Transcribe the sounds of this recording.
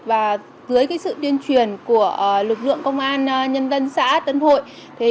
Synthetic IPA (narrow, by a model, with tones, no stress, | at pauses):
vaː˨˩ | zɨ˨˦əjkaː˨˦jsɨ̰˧˨t̪i˧ənt͡ɕwi˨˩ənku˧˩əʔlɨ˨˩k̚lɨ̰˧˨əŋkə˧wŋ͡mʔaː˧n˧ɲə˧nzə˧nsa̰ː˧˥t̪ə˧nho̰˧˨j | t̪ʰi˨˩